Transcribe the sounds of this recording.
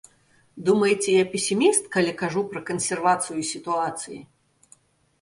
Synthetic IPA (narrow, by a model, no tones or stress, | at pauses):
d̪umɐjt͡sʲɛjapʲesʲimʲist̪kalʲikaʐupɾɐkɐnsʲɛrvat̪sɨjʊsʲit̪uat̪sɨji